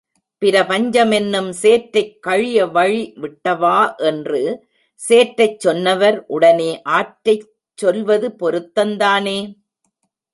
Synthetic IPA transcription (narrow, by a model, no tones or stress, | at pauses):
pɪɾɐpɐɲd͡ʒɐmɛnːɯmseːʈɾɐɪkːɐɻɪjɐʋɐɻiʋɪʈːɐʋaːʔɛndrɯ | seːʈɾɐɪt͡ʃːɔnːɐʋɐɾʔʊɽɐneːʔaːʈɾɐɪ | t͡ʃːɔlʋɐðɯpɔɾɯt̪ːɐnd̪aːneː